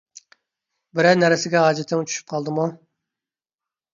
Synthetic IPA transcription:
bɪɾɛnæɾɪsɪɡʲɛɦɑːd͡ʒɛt̪ʰːɪŋt͡ʃʰy̥ʃy̥p̚qʰɑlˠd̪ɨmu

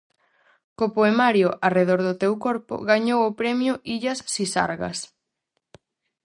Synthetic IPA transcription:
kopoemaɾjʊʔareðoɾðʊt̪ewkoɾpʊ̰ɣaɲowopɾɛmjʊʔiʎɐsːisa̰ɾɣɐ̰s

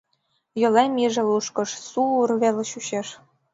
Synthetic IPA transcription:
jɤ̆lemʲiʒĕluʃkɤ̆ʃsuurβelɕuɕeʃ

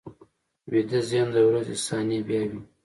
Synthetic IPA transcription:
wed̪ezjɑnd̪əwɾazḭsɑnibjɑwi

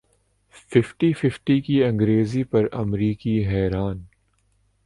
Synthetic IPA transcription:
fɪfʈifɪfʈikiɐ̃ŋɡɾeːzipɐɾɐmɾiːkiɦɛːɾaːn

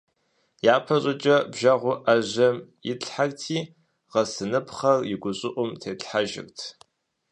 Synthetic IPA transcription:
jaːpʰɐɕʼɪt͡ʃʼɐbʒɐʁʷʊʔaʑɐmjɪɬħartʰiː | ʁɐsɨnɨpχɐrjɪɡʷʊɕʼɪʔʷʊmtʰeːtħaʒɪ̰rtʰ

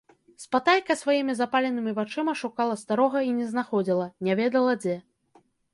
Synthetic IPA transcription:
spat̪ajʲkɐsvajimʲizapalʲɛnɨmʲivat͡ʂɨmɐʂukalˠɐst̪aɾɔɣɐinʲɛznaxɔd͡zʲilˠɐnʲavʲɛd̪ɐlˠɐd͡zʲɛ

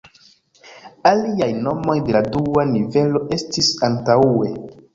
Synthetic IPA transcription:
aliajno̞mo̞jde̞laduanive̞lo̞ʔe̞stisantaue̞

